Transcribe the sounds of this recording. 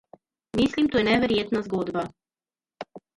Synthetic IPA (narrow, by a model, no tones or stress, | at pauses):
mislimt̪uːjɛnɛʋɛɾjet̪nazɡod̪ba